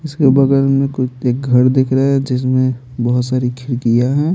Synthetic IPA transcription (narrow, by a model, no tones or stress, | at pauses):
ɪskebɐɡəɾmẽkʊt͡ʃʰeːk̚ɡʱɐɾd̪ekʰɾəɛ̃d͡ʒɪs̬mẽ | bɐɦʊt̪saːɾikʰɪɾkijaɦɛ̃ː